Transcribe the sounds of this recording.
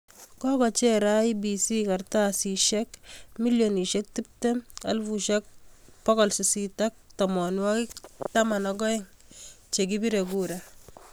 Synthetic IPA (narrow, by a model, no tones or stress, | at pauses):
kɔkɔt͡ʃɛɾaibisikartasiʃɛkmiljoniʃek̚tip̚tema̰lfuʃɛk̚pɔkɔlsisitak̚tamɔnwɔkiktamanɔɡɔɪŋ | t͡ʃek̬ibiɾeɡuɾa